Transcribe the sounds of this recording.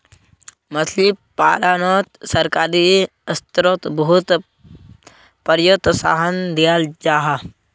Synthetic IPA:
mɐslipa̰ːlaːnoːt̪sɐɾkaːɾi | ɐst̪ɾot̪bɐɦut̪ | pɐɾjot̪sa̰ːɦɐnd̪ijaːld͡ʒaːɦa

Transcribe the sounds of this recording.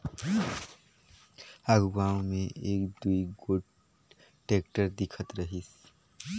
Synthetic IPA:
aɡɡawmeʔeːkd̪uiɡoʈ | ʈekʈəɾd̪ikʰət̪ɾəɦis

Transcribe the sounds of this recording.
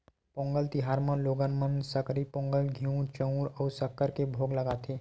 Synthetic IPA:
põːŋɡəlt̪ɪɦaːɾmə̃loːɡənmənsəkɾipõːŋɡəlɡʱiũt͡ʃə̃ũɾɔːɾsəkːəɾkebʱoːɡləɡaːt̪ʰeː

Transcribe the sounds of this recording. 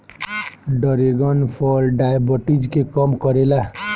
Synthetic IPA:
ɖəɾeɡənpʰɔlɖajbəʈid͡ʒkekɔmkʌɾela

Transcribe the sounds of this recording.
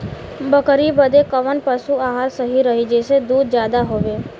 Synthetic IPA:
bəkɾibəd̪ekəʋənpəsuaɦalsəɦiɾəɦid͡ʒesed̪ud̪d͡ʒjad̪aɦoʋe

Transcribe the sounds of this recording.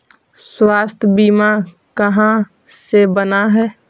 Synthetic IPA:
swaːst̪ʰbiːma | kəɦã | sebənaɦɛː

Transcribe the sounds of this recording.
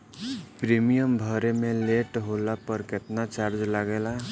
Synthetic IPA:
pɾimijəmbʱəɾemeleʈɦolapəɾket̪nat͡ʃaɾd͡ʒlaɡela

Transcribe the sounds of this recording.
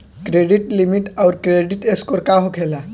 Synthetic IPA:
kɾeɖiʈlimiʈawɾkɾeɖiʈeskoɾkaɦokʰela

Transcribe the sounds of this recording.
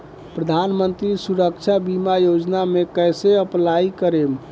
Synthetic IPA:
pɾəd̪ʱanmənt̪ɾisuɾək̚t͡ʃʰabimajod͡ʒnamekəjseəplaikəɾem

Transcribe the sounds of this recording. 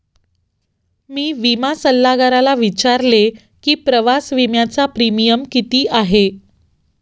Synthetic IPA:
miːʋimasəlːaɡaɾalaʋit͡ɕaɾle | kiːpɾəʋasʋimjat͡sapɾimijəmkit̪iːʔaɦe

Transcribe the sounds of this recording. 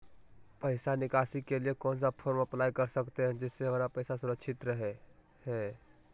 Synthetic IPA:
pɐɪsanɪkaːsikeliekɔːns̬apʰoːɾmɐplaːjkɐɾsɐkt̪eɦɛ̃d͡ʒɪsːeɦɐmaːɾapɐɪsasʊɾəkʃɪt̪ɾɐɦe | hɛː

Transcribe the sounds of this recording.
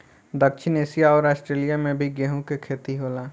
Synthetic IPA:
d̪əkʃʰɪneːsijaɔːɾaːsʈɾeːlijamẽbʱiɡeːɦũkekʰeːt̪iɦoːlaː

